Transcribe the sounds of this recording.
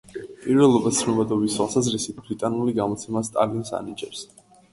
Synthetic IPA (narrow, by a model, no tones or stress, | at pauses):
pʼiɾvɛlˠɔbat̪sʰnɔbad̪ɔbiswalˠsazɾisit̪ʰbɾit̪ʼanuliɡamɔt̪sʰɛmast̪ʼa̰linsa̰nid͡ʒɛɾs